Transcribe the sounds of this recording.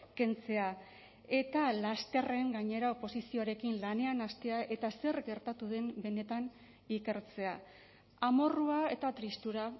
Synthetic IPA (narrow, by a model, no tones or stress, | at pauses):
ke̞nt͡se̞a | e̞t̪alast̪e̞re̞ŋɡaɲe̞ɾaopo̞sisio̞aɾe̞kinlane̞anast̪e̞aʔe̞t̪ase̞ɾɡe̞ɾt̪at̪uðe̞mbe̞ne̞t̪an | ike̞ɾt͡se̞a | amo̞ruae̞̰t̪at̪ɾist̪uɾa